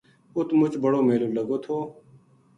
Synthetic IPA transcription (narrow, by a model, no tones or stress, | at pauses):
ʊt̪ʰmʊt͡ʃbəɽoːmeːloːləɡoːt̪ʰoː